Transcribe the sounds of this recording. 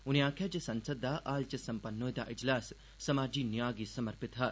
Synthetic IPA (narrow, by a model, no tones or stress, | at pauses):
unijãːkʰjat͡ʃesɐnsəd̪ʱːaʔaːlt͡ʃɐsɐmpɐnːoːjd̪aʔɪd͡ʒlaːsː | ɐmaːd͡ʒiːnijaːɡiːsɐmɐɾpit̪ɦa